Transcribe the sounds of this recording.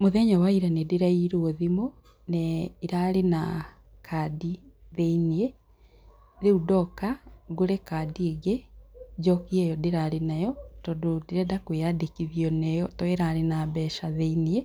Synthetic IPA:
moðɛɲawaiɾanedeɾaiɾooðimo | nɛiɾaɾena | kʰadiðeinie | ðeudɔkaɡoɾɛkaːdiːɡed͡ʒɔkiɛjɔdeɾaɾenajɔtɔdodeɾɛdakweadekiðiɔnɛjɔtɔeɾaɾenaːbɛʃaðeinie

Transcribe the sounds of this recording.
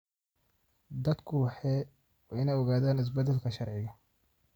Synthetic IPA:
d̪ɐd̪kʰʊwɑħɛː | wɛɪnɛjɔɣaːðaːnɪs̬bɐd̪ɛlkʰɐʃɐrʕɪɣɐ

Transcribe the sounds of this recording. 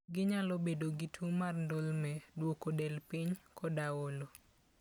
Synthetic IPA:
ɡɪɲalɔbedoɡitʰumarndolmɛdwokodɛlpiɲkʰɔdawolo

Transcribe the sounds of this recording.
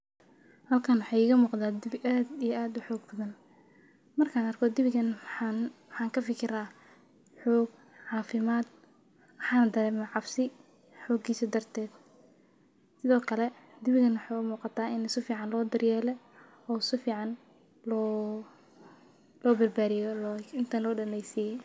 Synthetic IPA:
hɐlkʰaːnwʊħɑjɪɣɐmuːqd̪aːd̪ɪbʔaːd̪ijɐaːd̪ʊħɔːɡ̚bɐðɐn | mɐrkʰaːnɐrkʰɔd̪ɪβɪɣɐnnwħɑːŋkʰɐfɪkʰɪɾaː | ħɔːɡ | ʕɑːfɪmaːd̪̚ | mħɑːnd̪ɐɾɛːmaːʕɑbsɪ | ħɔːɡiːsɔd̪ɐrt̪ʰɛːd̪̥ | sɪðɔːkʰɐlɛd̪ɪβɪɣɐnwʊħɑjʊmuːqɑt̪ʰaːɪnɪsʊfiːʕɑnlɔːd̪ɐrjɛːlɛ | ɔːɪsʊfiːʕɑn | lɔː | lɔːbɐrbaːðɪjɔlːɪnt̪ʰɐnlɔːɖɐnɛjsiːjɛ

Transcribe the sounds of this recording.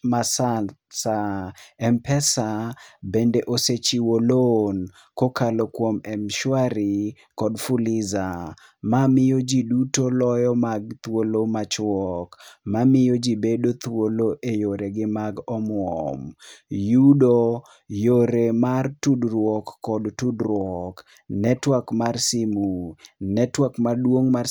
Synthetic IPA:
masasaɛmpɛsabendeʔoset͡ʃiwolon | kokalokwomɛmʃwaɾi | kɔdfulɪza | mamɪjod͡ʒidutolɔjɔmaɡt̪wolomat͡ʃwɔkmamɪjod͡ʒibedot̪woloʔejoɾeɡɪmaɡɔmwɔmjudo | joɾemartudɾwɔkːɔdtudɾwɔk | nɛtwakmarsimunɛtwakmadwoŋma

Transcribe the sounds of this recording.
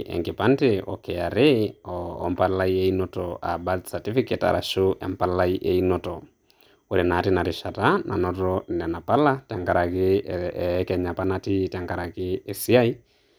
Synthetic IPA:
ʔɛ̰ŋɡepanteɔ̰kɛaɾeɔ̰ːmpalaieinotɔʔa̰badsatifiketa̰ɾʔa̰ʃoʔɛ̰mpalaiʔeinɔtɔ | oɾenatinaɾɪʃatanʔa̰nɔtɔnɛnapalataŋɡaɾakɪ | kɛɲapanatitaŋɡaɾakɪːsiai

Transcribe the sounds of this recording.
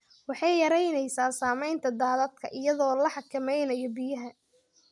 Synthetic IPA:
wɑħɑjjɐɾɛjnɛjsaːsaːmɛjnt̪ʰɐd̪aːðɐd̪kʰɐʔɪjɐðɔːlɐħɑkʰɐmɛjnɐjɔbɪjɐɦɐ

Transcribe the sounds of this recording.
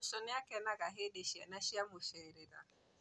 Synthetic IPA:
sɔniakɛnaɡaɦedeʃianaʃiamofɛɾɛda̰

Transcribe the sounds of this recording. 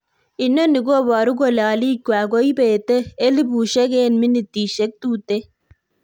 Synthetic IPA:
inːɐniɡobaɾuɡolaːlikwaːɡoibeːt̪əelibuːʃɐɡeːnminit̪iːʃɐk̚t̪uːt̪e

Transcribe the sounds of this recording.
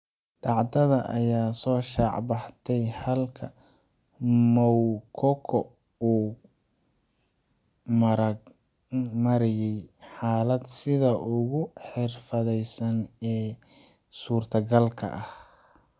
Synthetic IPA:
ɖɑʕd̪ɐðɐʔɐjaːsɔːʃɑʕbɑħt̪ʰɛjhɐlkʰɐ | mɔwkʰɔkʰɔuː | m | mɐɾɪjɛjħaːlɐd̪sɪðɐʔʊɣʊħɪrfɐðɛjsɐnɛː | suːrt̪ʰɐɡɐlkʰɐ̰ʔɐh

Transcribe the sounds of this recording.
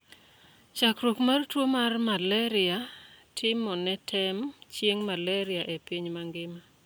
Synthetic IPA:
t͡ʃakɾwokmartwomarmalɛɾɪatʰɪmɔnɛtʰɛmt͡ʃjeŋmalɛɾɪaʔɛpiɲmaŋɡɪma

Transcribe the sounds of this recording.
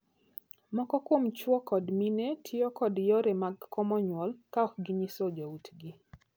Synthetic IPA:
mɔkɔkwomt͡ʃwɔkɔdminetʰɪɔkɔdjɔɾɛmaɡkːɔmɔɲwɔlkaɔkɡiɲisod͡ʒautɡɪ

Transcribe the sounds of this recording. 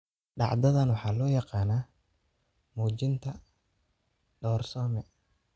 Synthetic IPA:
ɖɑ̰ʕd̪ɐðɐnwɑħɑːlɔːjɑqɑːnaː | muːt͡ʃɪnt̪ʰɐ | ɖɔːrsɔːmɛ

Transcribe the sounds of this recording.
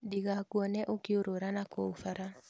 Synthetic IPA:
diɡakwɔnɛʔokɪoɾoɾanakɔufaɾa

